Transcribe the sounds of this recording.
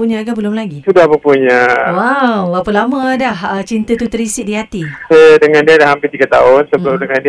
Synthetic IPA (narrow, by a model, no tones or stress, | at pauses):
uɲakabəlʊmlaɡisudahbəŋpuɲawawapəlamədahət͡ʃint̪ət̪ut̪əɾisɪʔ̚diɦat̪isadəŋãndiadahɦampɪrt̪iɡat̪a̰ʊnsəbəlʊmdəŋandi